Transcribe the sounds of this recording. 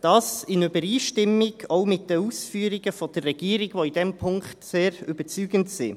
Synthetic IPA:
d̥ɑːsɪnøbəɾiːʃtɪmːiɡɔʊmɪtdəusfyəɾiɡəfɔd̥ərrɛɡ̥iːəɾiɡʋoidɛmpʰʊŋkχtseːɾʏbət͡syːɡəntsɪ̰

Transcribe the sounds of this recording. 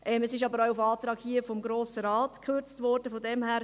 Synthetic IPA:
ʔɛmɛsɪʃɑbəɾawufɑːtɾɑːkhiəfɔmɡɾoːsəɾɑːtkʰøɾt͡stvɔɾd̥əfɔdɛmhæːɾ

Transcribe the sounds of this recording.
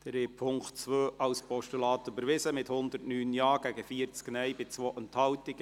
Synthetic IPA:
d̥ɾepʰʊŋktt͡sʋøːʔɑwspɔʃtylɑːt̪øbəɾʋɪsəmɪthʊnd̪ərtnyːnjɑːɡ̥æɡəfiəɾt͡sknɛjbɪt͡sʋoːʔənt̪hɑltɪɡ

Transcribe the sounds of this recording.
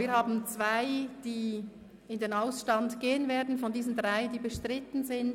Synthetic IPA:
viːɐhaːbn̩t͡sv̥aɪd̥iː | ɪndeːnaʊsʃtɑndɡ̥eːənveːɐdn̩fɔndiːzn̩dʁaɪdiːbəʃtʁɪtn̩zɪn

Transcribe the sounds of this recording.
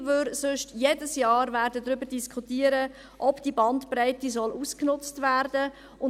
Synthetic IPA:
ʋøɾsʊʃtjedəsjɑːɾʋæɾdədɾʏbəɾdiskʰχutiːəɾə | ʔɔpd̥ibɑntpraɪtizɔlʔuːsknʊt͡stʋærdə | ʊ

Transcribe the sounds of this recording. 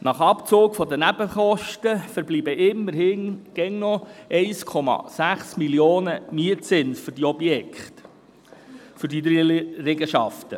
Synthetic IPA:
nɑχɑpt͡soːkfɔd̪ənæbəχɔʃtəfəɾbliːbəʔɪmːəɾhɪnɡ̥ɛŋnɔʔɛɪskʰɔmɑ̰sæχsmiljoːnəmiətt͡sɪnsfʏɾd̥iɔbjɛkχt | fʏdid̪ɾɾɛɡəʃɑft̪ə

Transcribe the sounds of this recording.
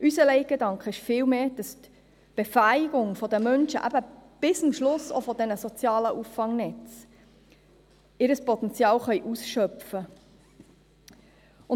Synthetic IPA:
ʔysəlɛɪɡ̥edɑŋkχəɪʃfɪːlmeːd̥ɑst̪ | b̥efæjɪɡ̥ʊŋfɔd̪əmœnʃə̰ʔæ̰b̥əb̥ɪsʊmʃlʊso̰fɔd̪ɛnəsɔt͡sjɑːləʔufːɑŋnɛt͡s | ɪɾəspɔt̪ɛnt͡sjɑːlχœjʔusʃœfə | ʊn

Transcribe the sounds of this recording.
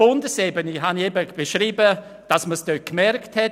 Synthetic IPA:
ʊndəsɛbəniɦaniɛbəb̥eʃɾiːbə | d̥ɑsməsdøkmɛrkthɛ

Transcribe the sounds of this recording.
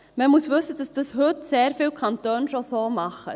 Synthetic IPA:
məmusʋɵsəd̥ɑsd̥ɑshɵtseːɾfiwkʰɑnt̪øːnʃosoːmɑχə̰

